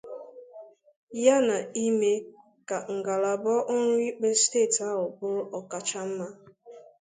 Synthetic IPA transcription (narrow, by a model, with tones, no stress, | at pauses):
ja˦na˨i˦me˦ | ka˨ŋ̩˨ɡa˨la˨bɔ˦ʔʊ˦ɾʊ˦i˦k͡pe˦steː˦˨ta˦ʊ˨bʊ˦ɾɔ˨ka˨t͡ʃa˦m̩˦ma˦